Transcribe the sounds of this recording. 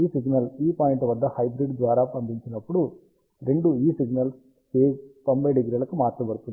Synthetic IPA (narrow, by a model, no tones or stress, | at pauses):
iːsiɡnɐliːpaːjiɳʈʋɐd̪ːɐhɐjbɾiɖd̪ʋaːɾaːpɐnd̪iɲt͡ʃinːɐpːuɽu | ɾeɳɖuiːsiɡnɐl | keːpɐmbeɖiɡɾiɐlɯkːɯmaːt̪ɾɐpɐɽɯt̪ːun